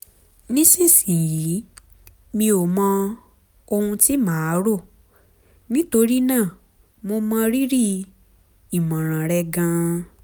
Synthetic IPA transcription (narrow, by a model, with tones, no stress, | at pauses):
nĩ˦sĩ˦˨sĩ˨ji˨˦ | mĩ˧o˨mɔ̃˧ | o˧hũ˧ti˦mãː˨˦ɾo˦˨ | nĩ˦to˧ɾi˦nãː˦˨ | mo˧mã˧ɾi˦ɾi˦˨ | i˨mã˨ɾ̃ã˨ɾɛ˧ɡã˧